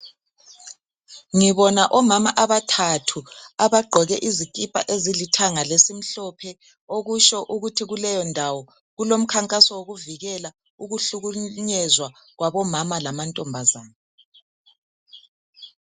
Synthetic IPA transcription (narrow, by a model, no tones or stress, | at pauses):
ŋiβɔnaʔɔmamaʔaβatʰatʰuaβaɡ͡ǃʱɔɣɛʔizikʼipʼa̰ʔezilitʰaŋalesim̩ɬɔpʰɛ | oɣuʃɔʔuɣutʰiɣulɛjɔndʱawɔ | ɣulom̩kʰaŋkʼasɔwoɣuviɣɛla | uɣuɬuɣuɲɛzwa | ɣwaβɔmamalamantʼɔmbʱazaːna